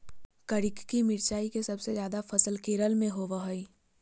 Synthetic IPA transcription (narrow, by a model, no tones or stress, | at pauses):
kəɾɪkkimɪɾt͡ʃaːikesɐbsezjaːd̪afɐsəlkeːɾəlmẽɦoʋəɦəi